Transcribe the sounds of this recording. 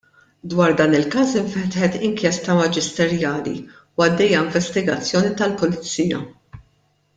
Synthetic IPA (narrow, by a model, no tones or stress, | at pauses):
d̪wɐːɾd̪ɐːnɪlkɐːsɪɱfɛt̪ħɛt̪ɪŋkjɛst̪ɐmɐd͡ʒɪst̪ɛɾjɐːlḭ | wɐd̪ːɛjːɐɪɱvɛst̪ɪɡɐt͡sːjɔːnit̪ɐlpʊlɪt͡sːiːjɐ̰